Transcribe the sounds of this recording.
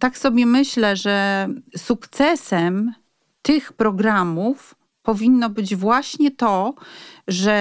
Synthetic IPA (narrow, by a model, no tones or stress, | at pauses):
t̪aksɔbʲjɛmɘɕlɛʐɛsukt̪sɛsɛm | t̪ɘxpɾɔɡɾamuf | pɔvʲinːɔbɘd͡ʑvwaɕɲɛt̪ɔ | ʐɛ